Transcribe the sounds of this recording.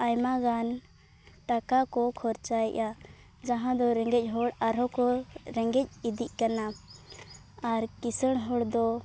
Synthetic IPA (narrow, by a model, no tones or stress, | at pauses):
ajmaɡan | ʈakakɔkʰɔɾt͡ʃajɛ̰ʔa | d͡ʒaɦãd̪ɔɾɛŋɡɛc̚ˀɦɔɽaɾɔkɔɾɛŋɡɛc̚id̪iʔ̚ˀkana | aɾkisəɽ̃ɦɔɽd̪ɔ